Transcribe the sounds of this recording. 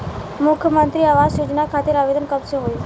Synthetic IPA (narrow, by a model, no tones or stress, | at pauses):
mʊkʰjəmənt̪ɾiaʋasjod͡ʒnakʰat̪ɪɾaʋed̪ənkəpseɦoju